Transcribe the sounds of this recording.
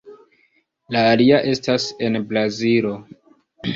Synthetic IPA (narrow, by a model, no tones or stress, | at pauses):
laːliaʔe̞stase̞nblazilo̞